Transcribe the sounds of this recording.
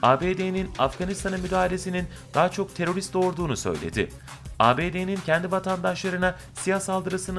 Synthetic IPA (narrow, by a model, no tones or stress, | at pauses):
aːbeːd̪ejninafɡanist̪ʰanɯmyd̪aːɦalʲe̞sinin | d̪̥aɦat͡ʃʰo̞k̚t̪ʰe̞ɾo̞ɾist̪d̪o̞ɾd̪uːnusø̰jlʲḛd̪ɪ | aːbeːd̪enincʰɛnd̪ivat̪ʰand̪aʃlˠaɾɯna | sijasalˠd̪ɯɾɯsɯn